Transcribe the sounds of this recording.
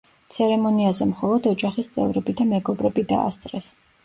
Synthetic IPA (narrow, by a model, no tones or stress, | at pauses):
t̪sʰɛɾɛmɔniazɛmχɔlˠɔd̪ɔd͡ʒaχist̪sʼɛ̰vɾɛbid̪amɛɡɔbɾɛbid̪a̰ːst̪sʼɾɛs